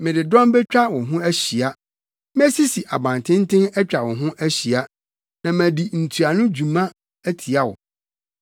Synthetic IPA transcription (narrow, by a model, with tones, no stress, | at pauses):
mɪ̃˨dɪ˨dɔ̃˦mbɛ˦t͡ɕᶣa˦wɔ̃˨ɦʊ̃˦æ˦ɕi˨a˦ | mɛ˦si˦si˨ʔa̰˨bã˨n˨tʰɪ̃˦n˦tʰɪ̃˦nɛ˦t͡ɕᶣa˨wɔ̃˨ɦʊ̃˦ʔæ˦ɕi˨a˦ | nã˨mæ̃˨di˨n̩˨tʰu˨a˨nʊ̃˦d͡ʑu˨mã˦ | æ˦tʰi˨a˦wɔ̰˨